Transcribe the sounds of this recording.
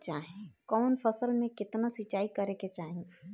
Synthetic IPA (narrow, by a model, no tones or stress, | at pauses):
t͡ʃaɦẽkɔːnpʰəsəlmẽkɪt̪nasit͡ʃaikəɾeket͡ʃaɦẽ